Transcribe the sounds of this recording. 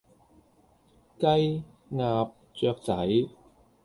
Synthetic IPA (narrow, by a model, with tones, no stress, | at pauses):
kɐ˥j | ŋaː˧p̚ | t͡sœː˧k̚t͡sɐ˨˥j